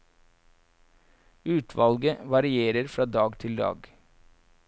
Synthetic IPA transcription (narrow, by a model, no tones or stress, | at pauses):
ʉːt̪ʰʋɑlɡəʋɑɾɪeːɾəɾfɾɑːd̪ɑːɡt̪ʰɪld̪ɑ̰ːɡ